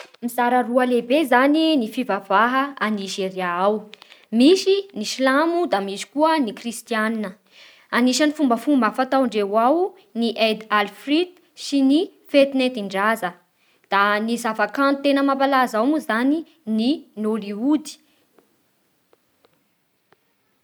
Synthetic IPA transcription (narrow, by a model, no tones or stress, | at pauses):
mizaɾəruəlebezaninifivavaɦəaniʃireaawmiʃiniʃilamud̪amiʃi̥kuənikrist̪ianinə | aniʃanifumbəfumbəfat̪awɳɖ͡ʐewaw | niʔed̪alfrid̪ | sinifet̪net̪iɳɖ͡ʐazə | d̪̥anizavakant̪enəmapalazawmuzani | ninoliud̪i̥